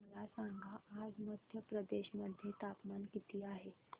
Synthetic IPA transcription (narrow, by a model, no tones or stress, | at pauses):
əlasaŋɡʱaad͡zməd̪ʱjəpɾəd̪eɕməd̪ʱjet̪apmankit̪iːaɦe